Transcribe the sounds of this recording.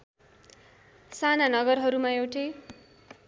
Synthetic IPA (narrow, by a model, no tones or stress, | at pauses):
sananʌɡʌrɦʌɾumaewʈe